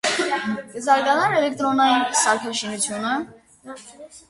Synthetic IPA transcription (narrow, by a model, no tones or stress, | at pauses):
kəzɑɾɡɑnɑɾɛlɛk̚t̪ɾɔnɑjinsɑɾkʰɑʃinut͡sʰjunə